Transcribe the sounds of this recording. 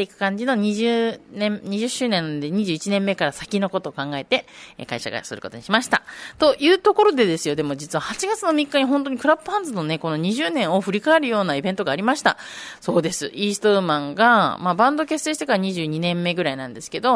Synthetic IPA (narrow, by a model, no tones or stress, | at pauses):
t̪e̞ikɯ̟̥kãɲ̟d͡ʑino̞ɲ̟iʑɨːnẽmɲ̟iʑɨɕːɨːnẽ̞nːand̪e̞ɲ̟iʑɨːit͡ɕinẽ̞mːe̞kaɾasakʲino̞ko̞t̪o̞ːkãŋɡae̞t̪e̞̰kaiɕa̰ɡa̰sɨ̰ɾɯ̟ko̞t̪o̞ɲiɕimaɕi̥t̪a̰t̪o̞jɯ̟ːt̪o̞ko̞ɾo̞d̪e̞d̪e̞sɨjo̞d̪e̞mo̞d͡ʑit͡sɨβahat͡ɕiɡat͡sɨno̞mʲikːaɲ̟iɦõ̞nt̪o̞ɲ̟ikɯ̟ɾapːɯ̟hãnd͡zɨno̞ne̞ko̞no̞ɲ̟iʑɨːnẽ̞ɰ̃o̞ɸɯ̟ɾʲikaeɾɯ̟jo̞ːnaibẽ̞nt̪o̞ɡaːɾʲimaɕi̥t̪a̰ | so̞ːd̪e̞sɨʔiːst̪o̞ɯmãŋɡamabãnd̪o̞ke̞se̞ːɕi̥t̪e̞kaɾaɲ̟iʑɨːɲ̟inẽ̞mːe̞ɡɯ̟ɾainãnd̪e̞sɨ̥ke̞d̪o̞